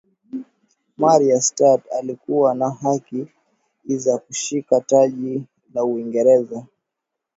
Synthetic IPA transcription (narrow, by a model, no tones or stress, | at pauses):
maɾiastatalikuwanaɦaki | zakuʃikataʄi | lauiŋɡɛɾɛza